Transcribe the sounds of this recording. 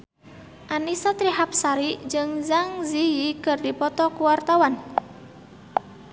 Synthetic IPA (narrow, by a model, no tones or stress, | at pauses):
ʔanisat̪ɾiɦap̚saɾid͡ʒɨŋzaŋziikɨrdipɔt̪ɔkuwart̪awan